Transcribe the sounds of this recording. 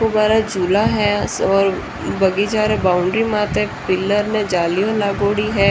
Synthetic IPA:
kobaːɾad͡ʒʱuːlaɦɛɔːɾ | bɐɡid͡ʒaːɾɛbaːʊ̃ɳɖɾimaːt̪ɛpɪlːəɾnẽd͡ʒaːlijolaːɡoːɽiɦɛː

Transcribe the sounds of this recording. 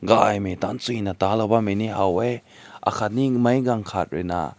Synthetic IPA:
ɡajmetant͡sujnatalabameniɦaweʔa̰kʰat̚nimajɡaŋkʰat̚ɾɛna̰

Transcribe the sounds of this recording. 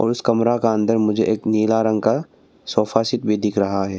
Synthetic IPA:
ɔ̰ːɾʊskɐmɾakaɐ̃nd̪əɾmʊd͡ʒʱeʔeːkniːlaːɾə̃ŋɡka | sɔːfaːsɪt̪bʱid̪ɪkʰɾɐɦaɦɛː

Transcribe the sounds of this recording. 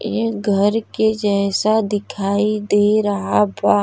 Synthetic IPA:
jeɡʱɐɾked͡ʒɛːsad̪ɪkʰaːid̪eːɾɐɦabaː

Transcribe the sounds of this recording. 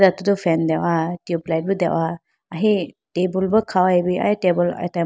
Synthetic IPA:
datudɔpʰɛndewatiuplajt̚bɯdewʔa | aɦitebulbɯkʰawajbia̰tebula̰jta

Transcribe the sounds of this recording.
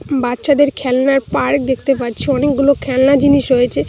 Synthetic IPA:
batːʃad̪eɾkʰɛlnaɾpaɾkd̪ek̚ʰt̪epaɾt͡ɕʰiɔnek̚ɡulokʰɛlnad͡ʑiniʃɦojet͡ɕʰe

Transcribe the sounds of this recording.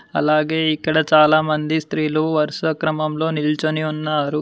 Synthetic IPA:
ɐ̰laːɡe̞ːikːɐɽɐt͡ʃaːlaːmɐnd̪ist̪ɾiːluʋɐɾʂɐkɾɐmɐmlo̞ːnilt͡ʃuniunːaːɾu

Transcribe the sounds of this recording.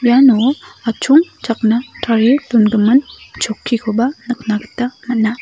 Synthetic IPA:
janoat͡ʃʰuŋt͡ʃak̚nɐtʰaɾilunɡɯmɯnt͡ʃokʰːikʰobanɯk̚naɡɯtːamɐt̚na

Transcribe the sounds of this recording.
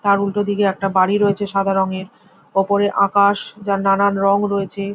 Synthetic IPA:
t̪aɾulʈod̪ikeɛk̚ʈabaɽiɾoet͡ɕʰeʃad̪ʱaɾoŋeɾ | ɔpoɾeʔakaʃd͡ʑaɾnananɾɔŋɾoet͡ɕʰe

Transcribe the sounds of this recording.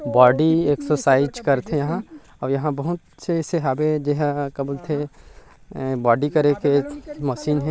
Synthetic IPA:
bɔːɖieksosaːɪd͡ʒkɐɾt̪ʰejɐɦã | ɔːɾjɐɦãbɐɦʊt̪seseɦaːbed͡ʒeɦakɐblt̪ʰe | bɔːɖikɐɾekemɐʃiːnɦɛ̃

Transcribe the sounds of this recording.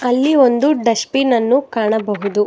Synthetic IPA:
ɐlːio̞nd̪uɖɐʃpinɐnːukaːɳɐbɐɦud̪u

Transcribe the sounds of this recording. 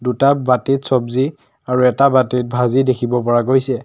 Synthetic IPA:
dutabatitsɔbzi | aɹuɛtabatit̚bʱazidekʰibɔp̬ɔɹaɡojsɛ

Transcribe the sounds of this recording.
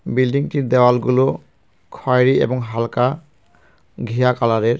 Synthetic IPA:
bildiŋtiɹd̪ɛwalɡulo | kʰɔjɹiɛ̰bɔŋɦalka | ɡʱijakalaɹɛɹ

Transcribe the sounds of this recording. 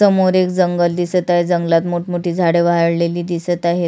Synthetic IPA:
əmoɾekd͡zəŋɡəld̪isət̪aɦed͡zəŋɡlat̪moʈmoʈiːd͡zʱaɽeʋaɦəɽleliːd̪isət̪aɦe

